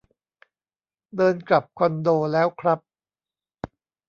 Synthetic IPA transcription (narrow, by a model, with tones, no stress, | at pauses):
dɤː˧nkla˨˩p̚kʰɔ˧ndoː˧lɛː˦˥wkʰɾa˦˥p̚